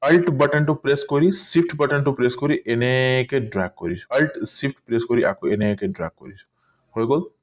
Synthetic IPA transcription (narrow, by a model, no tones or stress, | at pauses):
ɐlʈbɐʈəɳʈupɾeskɔɾisipʰʈbɐʈəɳʈupɾeskɔɾiʔenekeɖɾak̚kːɔɾit͡ʃʰɔ̥ɐlʈsipʰʈpɾeskɔɾiʔa̰koenekeɖɾa̰k̚kːɔ̰ɾit͡ʃʰɔ̥ | hojɡol